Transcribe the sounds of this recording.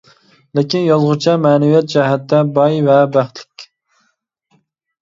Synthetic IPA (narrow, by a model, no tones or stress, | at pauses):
lɪkʲinjolˠʁʊt͡ʃʰɛmɛːnɛvijɛt̪̚d͡ʒɛɦɛt̪ːɛbɑjvɛbæχt̪lɪ̥kʲ